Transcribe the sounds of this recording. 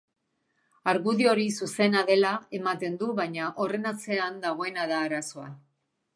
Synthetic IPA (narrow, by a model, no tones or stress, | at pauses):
aɾɣuðio̞ɾisuse̞naðe̞lae̞mat̪e̞nd̪uβajɲaʔo̞re̞nat͡se̞and̪aɣ̞o̞e̞naðaːɾaso̞a̰